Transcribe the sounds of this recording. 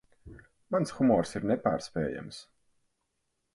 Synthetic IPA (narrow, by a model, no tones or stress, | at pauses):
mansxumɔːɾsiɾnɛpaːɾspɛːja̰ms